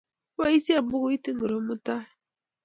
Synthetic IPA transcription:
wa˦i˦si˦a˨bu˦ku˦i˦ti˦ŋ˦ɡu˨ɾo˨˦mu˦ta˦

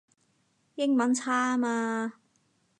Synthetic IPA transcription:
jɪ˥ŋmɐ˨˥nt͡sʰaː˥maː˧

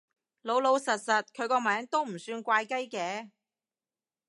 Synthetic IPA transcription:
lo˨˧wlo˨˧wsɐ˨t̚sɐ˨t̚kʰɵ˨˧ɥkɔː˧mɛː˨˥ŋt̪o˥wm̩˨˩syː˧nkʷaː˧jkɐ˥jkɛː˨˧

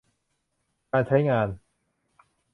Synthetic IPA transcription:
kaː˧nt͡ɕʰa˦˥jŋaː˧n

